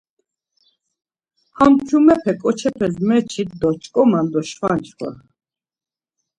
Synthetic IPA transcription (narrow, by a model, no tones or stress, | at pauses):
hamt͡ʃʰumɛpʰɛkʼɔt͡ʃʰɛpʰɛzmɛt͡ʃʰit̪d̪ɔt͡ʃʼkʼɔmand̪ɔʃχant͡ʃʰʼχwa̰